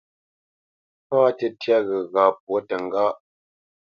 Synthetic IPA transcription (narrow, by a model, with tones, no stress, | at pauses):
paː˦tə˦˨tja˦ɣə˨ɣa˨p̚wo˦tə˨ŋ̩˨ɡa˦ʔ